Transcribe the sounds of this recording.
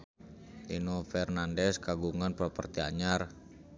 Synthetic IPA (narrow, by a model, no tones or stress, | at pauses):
ʔinofɛrnandɛskaɡuŋanpɾɔpərt̪ia̰ɲar